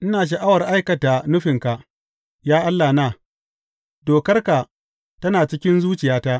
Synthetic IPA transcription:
ʔɪ˦naː˨ʃ̬a˨ʔa˦wɐ˨rʔa˦jkɐ˨ta˨nʊ˦ɸɪ˨ŋka˨ʔ | jaː˦ʔa˦lːaː˨naː˦˨ | doː˨kɐ˦rka˨ | tɐ˦naː˨t͡ʃɪ˦kʲɪ˦nzuː˦t͡ʃɪ˨jaː˦taː˦ʔ

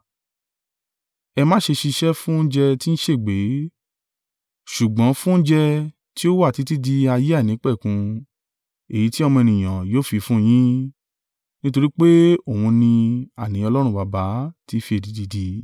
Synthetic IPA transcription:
ɛ˧mã˦ʃe˧ʃi˧ʃɛ˦fũ˦n̩˦d͡ʒɛ˧ti˦ñ̩˦ʃe˦˨ɡ͡be˨˦ | ʃu˨ɡ͡bɔ̃˨˦fũ˦n̩˦d͡ʒɛ˧ | ti˦o˦wa˦˨ti˨˦ti˦di˧a˧je˦a˦˨nĩ˨˦k͡pɛ˦˨kũ˧ | e˨ji˨˦ti˦ɔ˧mɔ̃˧ɛ˧˨nĩ˨j̃ã˨joː˦fi˧fũ˦j̃ĩ˦ | nĩ˦to˧ɾi˦k͡pe˦o˦˨ũ˧nĩ˧a˨nĩ˨˦ɔ˧lɔ˦ɾ̃ũ˧ba˨ba˨˦ti˦fi˧˦e˨di˨˧˦di˧di˧

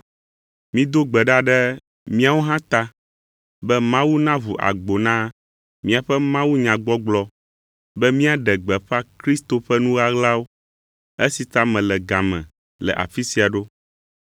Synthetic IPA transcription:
mĩ˦d̪o˦ɡ͡bɛ˨ɖa˦ɖɛ˦ | mĩ˦a˨wo˦ɦã˦t̪a˦ | bɛ˦mã˦wu˦nã˦vu˨ʔa̰˨ɡ͡bo˨nã˦ | mĩ˦a˨ɸɛ˦mã˦wu˦ɲã˨ɡ͡bɔ˦ɡ͡blɔ˦ | bɛ˦mĩ˦a˨ɖɛ˨ɡ͡bɛ˨ɸɛ˦a˦kɾi˦st̪o˨ɸɛ˦nũ˦ɣa˦ɣla˦wo˦ | e˦si˨t̪a˦mɛ̃˨lɛ˨ɡã˨mɛ̰̃˨ | lɛ̰˨ʔa̰˨fi˦si˨a˨ɖo˦

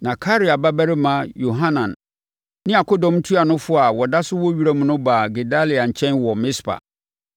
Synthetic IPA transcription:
nã˨kʰa˦ɾi˨a˨ba˦bæ˦ɾɪ˦mã˨˦jo˨ɦã˦nã˨n | nɪ̃˦a˨kʰɔ˦dɔ̃˨mn˦tʰu˦a˨nʊ̃˦fʊ˦a˨wɔ˨da˦sʊ˦wɔ˦ɥi˦ɾa˦mʊ̃˨nʊ̃˦baː˨ɡe˨da˦li˨a˨ɲ̩˨t͡ɕʰɛ̃˦nwɔ˨mɪ̃˦spʰa̰˨

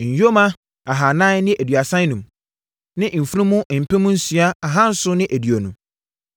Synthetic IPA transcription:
ɲ̩˨jo˦mã˦ | a˨ɦa˨nã˦nɪ̃˦ʔæ˨dɥa˨sã˦n˦nũ˨m | nɪ̃˦m̩˨fu˦ɾĩ˦mũ˦m̩˨pʰɛ̃˦mũ˦n̩˦sɥa˦a˨ɦã˦n̩˦sʊ˦nɪ̃˦ʔæ˨dɥo˨nũ˨

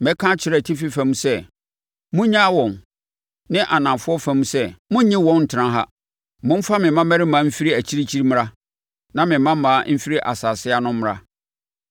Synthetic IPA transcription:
mɛ̃˦kʰã˦t͡ɕʰɪ˨ɾɛ˨tʰi˦fi˦fæ̃˦mũ˦sɛ˦ | mʊ̃˦ɲã˦wɔ̃˨n | nɪ̃˦ʔa˨nã˨fʊ˦ɔ˦fæ˨mũ˦sɛ˦mʊ̃˦ɲĩ˦wɔ̃˦nn̩˨tʰɪ˨ɾã˦ɦa̰˦ | mʊ̃˦m̩˦fa˦mɪ̃˨mã˦mæ˦ɾɪ˦mãː˨˦m̩˦fi˦ɾi˦æ˨t͡ɕʰi˦ɾi˦t͡ɕʰi˦ɾm̃˦ɾa˦ | nã˦mɪ̃˨˦mã˦m˦mã˨˦m̩˦fi˦ɾi˦ʔa̰˨saː˨sɪ˦a˦nʊ̃˦m̩˦m˦ɾa̰˦

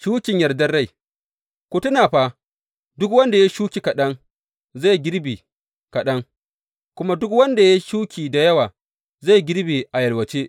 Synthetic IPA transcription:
ʃuː˦kʲɪ˨ɲjɐ˨rdɐ˦rɽa˦˨j | kʷu˦tʊ˦naː˨ɸa˦ | dʊ˦kwɐ˦nda˨ja˦ʃuː˦kʲi˨kɐ˨ɗɐ˦ŋ | za˦˨jɡʲɪ˦ɽbiː˨ | kɐ˨ɗɐ˦ŋ | kʷʊ˦ma˦dʊ˦kwɐ˦nda˨ja˦ʃuː˦kʲiː˨da˨jɐ˦waː˨ | za˦˨ɡʲɪ˦ɽbiː˨ʔa˨jɐ˨lwɐ˨t͡ʃe˦

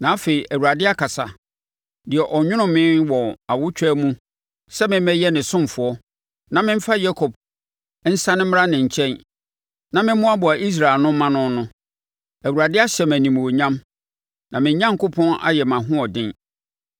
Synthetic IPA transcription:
nã˨˦fe˨i˨ʔæ˨wu˨ɾa˨dɪ˦a˦kʰa˨sa˨ | dɪ˨ɛ˨ʔɔ˨ɲᶣʊ̃˦nʊ̃˦mɪ̃˦nwɔ˨a˨wʊ˦t͡ɕᶣɛ˦mũ˦ | sɛ˦mɪ̃˦m˦ɛ˦jɛ˦nɪ̃˨sʊ̃˦m˨fʊ˨ɔ˦ | nã˨mɪ̃˦m̩˦fa˦ja˦kʰɔ˨b̚ | n̩˦sã˦nɪ̃˦m̩˦m˦ɾa˦nɪ̃˨ɲ̩˨t͡ɕʰɛ̃˦n | nã˨mɪ̃˦mʊ̃˦a˦bʊ˨a˨ʔi˦s̬ɾa˨e˨lnʊ̃˦mã˦nʊ̃˦nʊ̃˦ | æ˨wu˨ɾa˨dɪ˦a˦ɕɛ˨mæ̃˨nĩ˨m˨o˨ɲã˦m | nã˨mɪ̃˨˦ɲã˦ŋ˨kʊ˦pʰɔ̃˦na̰˦jɛ˨mã˨ɦʊ̃˦ɔ˨dɪ̃˦n

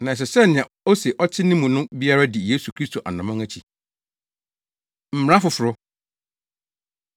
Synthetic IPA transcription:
nã˨s̬ɛ˨sɛ˦nɪ̃˨ã˨ | ɔ˦sɛ˨ʔɔ˦t͡ɕʰɪ˦nɪ̃˦mũ˨nʊ̃˦bi˦a˦ɾa˦dɪ˨je˦su˨kʰɾi˦stʰo˨ʔa̰˨nã˨mã˦ŋæ˦t͡ɕʰi˨ | m̩˨m̃˨ã˦fʊ˨fʊ˨ɾʊ˦

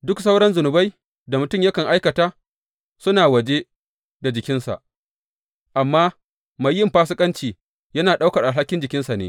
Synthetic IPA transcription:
dʊ˦ksa˦wɽɐ˦nzʊ˨nʊ˨ba˦j | da˨mʊ˨tʊ˦˨mjɐ˦kɐ˨ŋʔa˦jkɐ˨taː˦ | sʊ˦naː˨wɐ˨d͡ʒe˦ | da˨d͡ʒɪ˨kʲɪ˦nsa̰˨ʔ | ʔa˨mːaː˦ | ma˨jːɪ˦mɸaː˦s̬ʊ˦kʼɐ˦nt͡ʃiː˨ | jɐ˦naː˨ɗa˦wkɐ˨rʔa˨lɦa˦kʲːɪ˦nd͡ʒɪ˨kʲɪ˦nsa˨nḛː˨˦

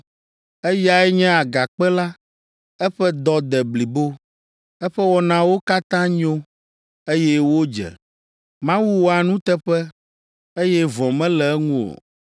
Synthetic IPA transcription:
ɛ˦ja˨ɛ˦ɲɛ̃˦a˨ɡa˨k͡pɛ˦la˦ | ɛ˦ɸɛ˦d̪ɔ˦d̪ɛ˨bli˨bo˦ | ɛ˦ɸɛ˦wɔ˦nã˦wo˦ka˦t̪ã˦ɲo˦ | e˦jɛ˦wo˦d͡ʒɛ̰˨ | mã˦wu˦wo˦a˨nũ˦t̪ɛ˦ɸɛ˦ | e˦jɛ˦vɔ̃˨mɛ̃˦lɛ˨ɛ˦ŋũ˦o̰˨

